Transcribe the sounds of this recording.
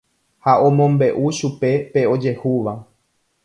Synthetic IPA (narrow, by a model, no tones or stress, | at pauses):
haõ̞mõ̞mbe̞ʔuʃupe̞pe̞o̞d͡ʒe̞huʋa